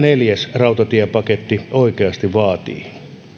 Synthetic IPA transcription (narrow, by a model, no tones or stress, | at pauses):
neljæsrɑut̪ɑt̪iæpɑket̪ːioikeɑst̪iʋʋɑːt̪ḭːn